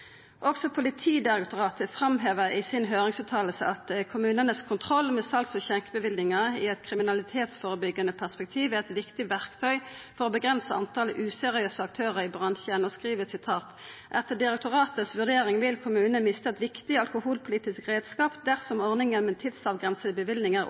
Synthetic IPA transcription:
ʔɔksɔpʰʊlɪt̪ʰiːd̪ɪʁɛkt̪ʊʁɑːt̪əfʁɑmɦeːʋəʁɪsɪnɦøːʁɪŋsʉːt̪ʰɑːll̩sə̰ʔɑt̪kʰʊmʉːnənəskʰʊnt̪ʰʁɔlːmɛːsɑlksɔçɛŋkəbəʋɪld̪ɪŋɑɪɛt̪kʰʁɪmɪnɑlɪt̪ʰeːt̪sfoːʁəbʏɡːɑnəpʰæspɛk̚t̪ʰiːʋɛɛt̪ʋɪkt̪ɪʋæʁkt̪ʰœʏfɔʁoːbəɡʁɛnsəɑ̰nt̪ʰɑːləʔʉːsɛʁɪøːsəɑkt̪ʰøːʁəʁɪbʁɑnʃəɛnɔskʁiːʋəsɪt̪ʰɑːt̪ʔɛt̪əd̪ɪʁɛk̚t̪ʊʁɑːt̪əsʋʉʁd̪eːʁɪŋʋɪlkʰʊmʉːnəmɪst̪əɛt̪ʋɪkt̪ɪɑlkʊhuːlpʰʊliːt̪ɪskʁeːd̪skɑːpd̪æʁsɔmɔʁnɪŋənmɛt̪ʰɪd̪sɑːʋɡʁɛnsəd̪əbəʋɪlnɪŋə

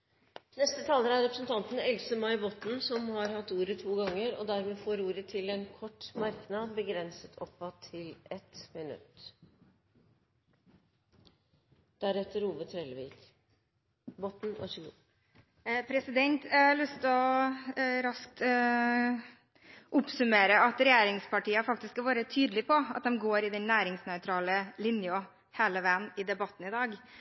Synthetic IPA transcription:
nɛst̪ət̪ʰɑːləɾæɾɛpɾəsn̩t̪ʰɑnt̪n̩ɛlsəmɑɪbɔt̪n̩sɔmhɑɾhɑt̪ːuːɾət̪ʰuːɡɑŋːəɾɔ̰d̪æɾmeːfoːɾuːɾət̪ʰɪlɛnkʰɔʈːmɑɾknɑbəɡɾɛnsət̪ʰɔpːɑt̪ʰːɪlɛt̪mɪnʉ̰t̪ | d̪̥æɾɛt̪ːəɾuːbət̪ʰɾɛlʋɪk | bɔt̪n̩æ̰ʂlu | pʰɾɛsɪd̪ɛnt̪lʏst̪ɔ | ɾɑsk̚t̪ | ʔʊpsʉmeːɾəɑt̪ɾɛjeːɾɪŋspɑʈiːəfɑkt̪ɪskːɑʋæːɾət̪ʰyːd̪lɪpʰɔɑt̪̚d̪ɛmɡoːɾɪd̪ɛnnæːɾɪŋsnœʏt̪ʰɾɑːləlɪnjɔ | heːləʋæːənɪd̪ɛbɑt̪ːn̩ɪd̪ɑːɡ

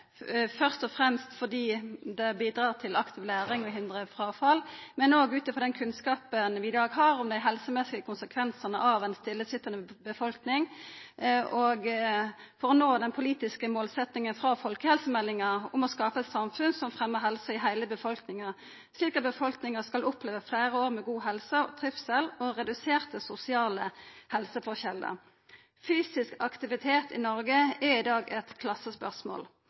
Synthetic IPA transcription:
fœʁst̪ɔfʁɛmst̪fɔd̪iːd̪ɛbiːd̪ɾɑːʁt̪ʰɪlɑkt̪ʰɪːʋlæːɾɪŋɔɦɪnd̪ʁəfʁɑːfɑlmɛnoːɡʉːt̪əfʁɔd̪ɛnkʰʉnskɑːpənʋɪːd̪ɑːɡɦɑːɾʊmd̪æɪɦɛlsəmɛsɪəkʰʊnsəkʰʋɛnsənəʔɑʋɛɪnst̪ɪlːəsʏt̪ːənəbəfɔlknɪŋ | ʔɔɡ | fɔɾɔnoːd̪ɛnpʰʊliːt̪ɪskəmoːlsɛt̪nɪŋənfɾɑfɔlkəhɛlsəmɛlːɪŋɑʊmɔskɑːpəɛt̪sɑmfʉnsɔmfʁɛmːəʁɦɛlsɑɪɦæɪləbəfɔlknɪŋɑʁ | sliːkɑt̪̚bəfɔlknɪŋəskɑlʊpleːʋəflæɪʁəoːʁmɛɡuːɦɛlsəɔt̪ʰʁɪfsɛlɔʁɛd̪ʉseːʁt̪əsʊsɪɑːləhɛlsəfɔʁçɛlə̰ | fyːsɪskɑkt̪ɪʋɪt̪ʰeːt̪ɪ̰nɔʁɡəæɪd̪ɑːɡɛt̪kʰlɑsːəspœʁsmo̰ːl

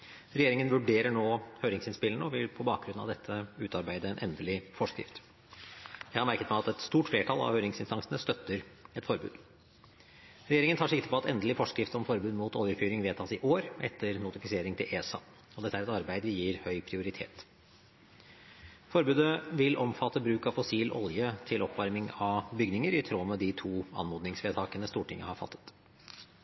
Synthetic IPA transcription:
ɾɛjeːɾɪŋənʋʉɖeːɾəɳoːhøːɾɪŋsɪnspɪlənəɔʋɪlpʰɔbɑːk̚ɡɾʉnːɑ̰ʋd̪ɛt̪ʰːəʉːt̪ɑɾbæɪd̪əɛnʔɛ̰nd̪əlɪfɔʂkɾɪ̰ft̪ | jæɪhɑɾmæɾkət̪mɛɑt̪ɛt̪st̪uːʈfleːʈʰɑlɑ̰ʋhøːɾɪŋsɪnst̪ɑŋsənəst̪œt̪ːəɾɛt̪fɔɾbʉ̰ːd̪ | ɾɛjeːɾɪŋənt̪ʰɑʂɪkt̪ə̥pɔɑt̪ɛnd̪əlɪfɔʂkɾɪft̪ɔmfɔɾbʉːd̪muːt̪oːʋəɾfyːɾɪŋʋeːt̪ʰɑːsɪʔoːɾʔɛt̪ʰːəɾnʊt̪ɪfɪseːɾɪŋt̪ʰɪlʔeːsɑ̰ | ɔd̪ɛt̪ːæɾɛt̪ɑɾbæɪd̪əʋɪjiːɾhœʏpʰɾɪʊɾɪt̪ʰḛːt̪ | fɔɾbʉːd̪əʋɪlʔɔmfɑt̪ːəbɾʉːkɑʋfɔsiːlʔɔ̰ljət̪ʰɪlʔɔpʋɑɾmɪŋɑʋbʏɡnɪŋəɾɪt̪ʰɾoːmɛd̪ɪt̪ʰuːɑ̰nmoːd̪nɪŋsʋeːt̪ʰɑːkənəst̪uːʈʰɪŋːə̰hɑɾfɑ̰t̪ʰːə̥t̪

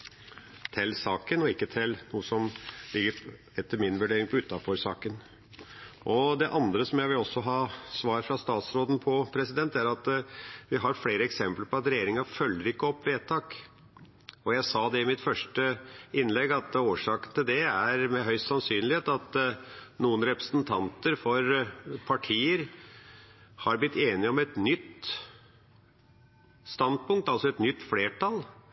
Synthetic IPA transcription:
t̪ʰɪlsɑːkənɔɪkːət̪ʰɪlnuːəsɔmlɪɡːəɾ | ɛt̪ʰːəɾmɪnʋʉɖeːɾɪŋpʰɔʉt̪ːɑfɔɾsɑ̰ːkən | ʔɔd̪ɛʔɑnd̪ɾəsɔmjæɪʋɪlɔsːɔɦɑːsʋɑːɾfɾɑst̪ɑːt̪sɾoːd̪n̩pʰɔpʰɾɛsɪd̪ɛnt̪æɾɑt̪ʋɪɦɑɾfleːɾəɛksɛmpləɾpʰɔɑt̪ɾɛjeːɾɪŋɑfœlːəɾɪkːəɔpːʋeːt̪ʰɑːk | ɔjæɪsɑːd̪ɛɪmɪt̪fœʂʈəɪnlɛɡɑt̪oːʂɑːkənt̪ʰɪld̪ɛæɾmɛɦœʏst̪sɑnsyːnlɪheːt̪ɑt̪nuːənɾɛpɾəsnt̪ʰɑnt̪əɾfɔɾpʰɑʈʰiːəɾ | hɑɾblɪt̪ːeːnɪɔmɛt̪nʏt̪ː | st̪ɑnd̪̚pʰʊŋk̚t̪ɑlsɔɛt̪nʏt̪ːfleːʈʰɑl

